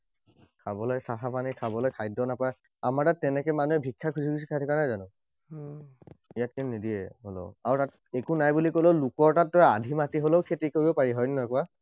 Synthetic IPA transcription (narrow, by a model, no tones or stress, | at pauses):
kʰabɔlɔjsaɦapanikʰabɔlɔjkʰajdɔnapaɛ | amaɹtat̚ːɛnɛkɛmanuɛbʱikʰːakʰuzʱikisi̥kʰajtʰɔkanajzanʊ | ijat̚kinnidiɛ̰ɦolo̰ʊaɹutat | ekunajbulikoloʊlukɔɹtat̚ːɔjaadʱimatiɦoloʊkʰetikoɹibɔpaɹiɦɔjnnɔkua